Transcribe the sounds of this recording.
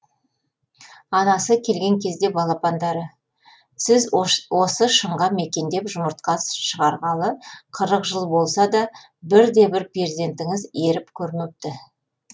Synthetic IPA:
ɑnɑsəkʲʰe̞lɡʲe̞ŋkʲʰe̞zd̪e̞bɑlˠɑpɑnd̪ɑɾə | sɪzwo̞səʃəɴʁɑme̞kʲe̞nd̪e̞pʒʊməɾt̪̚qɑsʃəʁɑɾʁɑlˠəqʰəɾəqʒəlˠbo̞lˠsɑd̪ɑ | bɪɾd̪e̞bɪɾpʰeɾd̪e̞nt̪ɪŋɪze̞ɾɪpkʲʰɵɾɪnup̚t̪ɪ

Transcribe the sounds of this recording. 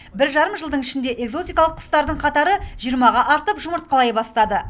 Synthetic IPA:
bɪɾʒɑɾəmʒəlˠd̪əɴɪʃɪnd̪e̞ʔe̞ɡzo̞t̪ijkɑlˠəqʰːʊ̥st̪ɑɾd̪əɴqʰɑt̪ɑɾəʒ̥ijəɾmɑʁɑʔɑɾt̪əpʒʊməɾt̪̚qʰɑlˠɑjbɑst̪ɑd̪ə

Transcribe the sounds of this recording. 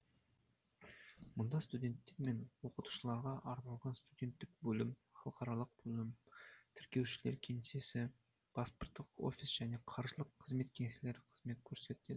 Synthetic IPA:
mʊnd̪ɑst̪ud̪ʲe̞nt̪ːe̞ɾme̞nwo̞qət̪u̥ʃəlˠɑɾʁɑʔɑɾnɑlˠʁɑnst̪ud̪ʲe̞nt̪ːɪk̚bɵlɪmχɑlˠqɑɾɑlˠəq̚bɵlɪmt̪ʰɪɾkʲe̞wʃɪle̞ɾkʲʰe̞ŋese̞sɪ | b̥asport̪ːəqo̰fʲisʒ̥æne̞qʰɑɾʒəlˠəqʰːəzme̞t̪kʲʰe̞ŋesle̞ɾɪqʰəzme̞t̪̚kʲʰɵɾse̞t̪ed̪ɪ

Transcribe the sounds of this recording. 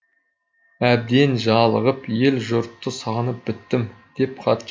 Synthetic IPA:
æb̚d̪e̞nʒɑlˠəʁəpje̞lʒʊɾt̪ːəsɑʁnəp̚bɪt̪ːɪmd̪̥e̞p̚qʰɑt̪

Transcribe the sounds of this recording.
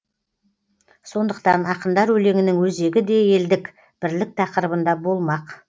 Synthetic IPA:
so̞nd̪əqt̪ɑnɑqənd̪ɑɾwɵle̞ŋɪnɪŋwɵze̞ɡʲɪd̪e̞je̞ld̪ɪk | b̥ɪɾlɪk̚t̪ʰɑqəɾəbənd̪ɑbo̞lˠmɑq

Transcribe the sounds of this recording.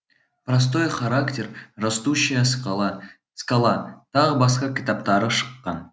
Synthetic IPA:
prɐs̬t̪o̞jχaɾaktʲerrast̪uɕːɪjə | skɑlˠɑt̪ʰɑʁəbɑsqɑkʲʰit̪apt̪ɑɾəʃə̥qːɑn

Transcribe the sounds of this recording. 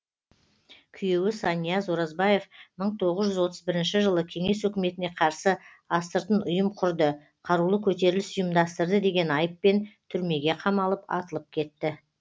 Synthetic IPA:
kʲʰʏje̞wɪsɑnijazoɾɑzbɑje̞fməɴt̪ʰo̞ʁəzʒʏzwo̞t̪əzbɪɾɪnʃɪʒəlˠəkʲʰe̞ŋe̞swɵkʲɪme̞t̪ɪne̞qʰɑɾsə | ɑst̪əɾt̪ənʊjəmqʰʊɾd̪ə | qʰɑɾulˠəkʲʰɵt̪e̞ɾɪlɪsʊjəmd̪ɑst̪əɾd̪əd̪e̞ɡʲe̞nɑjəpːe̞nt̪ʰʏɾme̞ɡʲe̞qʰɑmɑlˠəpɑ̰t̪əlˠəp̚kʲʰe̞t̪ːɪ

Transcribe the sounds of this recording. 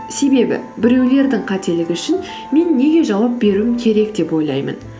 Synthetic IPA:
se̞be̞bɪ̰bɪɾe̞wle̞ɾd̪ɪŋqʰɑt̪e̞lɪɡʲɪʏʃɪn | me̞nːe̞ɡʲe̞ʒɑwɑp̚be̞ɾuɪmkʲʰe̞ɾe̞k̚d̪e̞pwo̞jlˠɑ̰jmə̰n

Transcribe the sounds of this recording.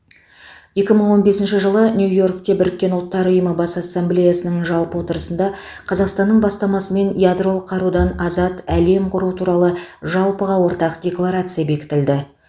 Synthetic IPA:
je̞kʲɪməɴwo̞nbe̞sɪnʃɪʒəlˠənʲjujo̞rkt̪e̞bɪɾɪk̚ʲːe̞nʊlˠt̪ːɑɾʊjəməbɑsasːemblʲejasənəɴʒɑlˠpəwo̞t̪əɾəsənd̪ɑ | qʰɑzɑqst̪ɑnːəɴbɑst̪ɑmɑsəme̞nijad̪ro̞lˠqʰɑɾud̪ɑnɑzɑt̪æle̞mqʰʊɾut̪ʰuɾɑlˠəʒɑlˠpəʁɑwo̞ɾt̪ɑqdʲe̞klˠaɾat̪sɨjabe̞kʲɪ̥t̪ɪld̪ɪ

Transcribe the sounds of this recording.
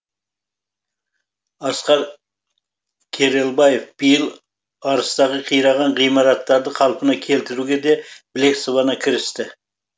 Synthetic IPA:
ɑsqɑɾ | kʲʰeɾelˠbɑjefb̥ijɪlˠ | ɑɾəst̪ɑʁəqʰijɾɑʁɑɴʁijmɑɾɑt̪ːɑɾd̪əqʰɑlˠpənɑkʲʰe̞lt̪ɪɾuɡʲed̪e̞b̥le̞ksovɑnɑkʲʰɪɾɪst̪ɪ

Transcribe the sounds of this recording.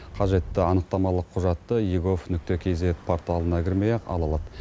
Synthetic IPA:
qʰɑʒe̞t̪ːɪɑnəq̚t̪ɑmɑlˠəqʰːʊʒɑt̪ːəjiɡo̞fnʏk̚t̪e̞kʲʰe̞zet̪pʰo̞ɾt̪alˠənɑkʲʰɪɾmejɑqɑ̰lˠɑlˠɑd̪

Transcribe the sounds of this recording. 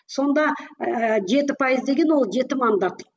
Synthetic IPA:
so̞nd̪ɑ | ʒe̞t̪ɪpʰɑjəzd̪e̞ɡʲe̞nwo̞lˠʒe̞t̪ɪmand̪ɑt̪

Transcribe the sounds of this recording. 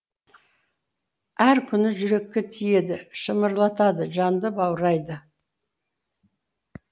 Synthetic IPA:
æɾkʲʰʏnɪʒʏɾe̞kʲːe̞t̪ʰije̞d̪ɪʃəməɾlˠɑt̪ɑd̪əʒɑnd̪əbɑwɾɑjd̪ə

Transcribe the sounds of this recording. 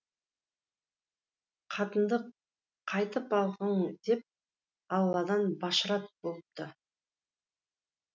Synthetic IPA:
qʰɑt̪ənd̪əqʰː | ɑjt̪əpɑlˠʁəɴd̪̥e̞p̚ | ɑwlˠːɑd̪ɑnbɑʃəɾɑt̪̚bolˠəp̚t̪ə

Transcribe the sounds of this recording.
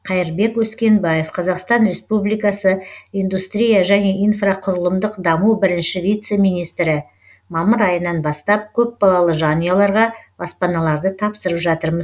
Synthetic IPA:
qʰɑjɪɾbe̞kwɵskʲe̞nbaje̞fqʰɑzɑqst̪ɑnɾe̞spublijkɑsəijnd̪ust̪ɾʲijaʒæne̞ʔijnfrɑqʰʊɾəlˠəmd̪əqd̪ɑmubɪɾɪnʃɪvʲijt̪se̞mijnijst̪ɾɪ | mɑməɾɑjənɑnbɑst̪ɑp̚kʲʰɵp̚bɑlˠɑlˠəʒɑnijalˠɑɾʁɑb̥ɑspɑnɑlˠɑɾd̪ət̪ʰɑpsəɾəpʒɑt̪əɾməz

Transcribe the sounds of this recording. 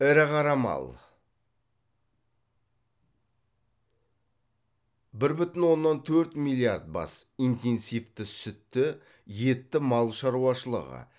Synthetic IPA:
æɾɪqʰɑɾɑmɑ̰lˠ | bɪɾbʏt̪ɪnwo̞nːɑnt̪ʰɵɾt̪mijlʲˠiard̪̚bɑ̰sijnt̪ʰe̞nsijft̪ɪsʏt̪ːɪ | je̞t̪ːɪmɑlˠʃɑɾuwɑʃəlˠə̰ʁə̰

